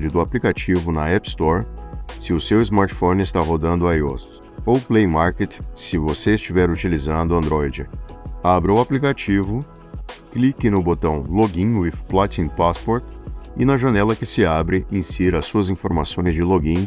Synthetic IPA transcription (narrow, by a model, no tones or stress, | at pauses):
d͡ʒɪd̪ʊaplikat͡ʃivʊnɐɛpst̪ɔɾsɪʊsewɪzmaɾt͡ʃfõnɪst̪aɦod̪ɐ̃nd̪ʊajo̰s | owplejmaɾket̪sɪvoseɪst͡ʃivɛɾut͡ʃilizɐ̃nd̪ʊɐ̃nd̪ɾɔjd͡ʒɪabɾɪʊaplikat͡ʃivʊ | klikɪnʊbot̪ɐ̃w̃loɡĩwifplat͡ʃĩnpaspɔɾt̪ɪnɐʒanɛlɐkɪsɪabɾɪĩsiɾɐsuɐzĩfoɾmasõj̃zd͡ʒɪloɡĩ